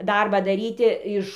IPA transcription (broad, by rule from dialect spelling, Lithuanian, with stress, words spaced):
ˈdɐrbɑː dɐˈrʲiːtʲɪ ɪʃ